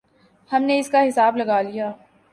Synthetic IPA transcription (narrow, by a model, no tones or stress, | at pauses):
hɐmneɪskaɦɪsaːblɐɡaːlijaː